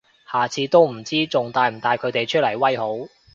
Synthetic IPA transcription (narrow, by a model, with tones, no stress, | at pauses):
haː˨t͡sʰiː˨˧˥t̪o˥wm̩˨˩t͡siː˥t͡sʊ˨ŋt̪aː˨˧jm̩˨˩t̪aː˨˧jkʰɵ˨˧ɥt̪e˨jt͡ʃʰɵ˥t̚lɐ˨˩jwɐ˥jɦo˨˥w